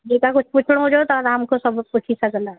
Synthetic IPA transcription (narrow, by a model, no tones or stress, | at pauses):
d͡ʒikakʊt͡ʃʰput͡ʃʰɽ̃õd͡ʒot̪oɾaːmkosɐbput͡ʃʰisɐkna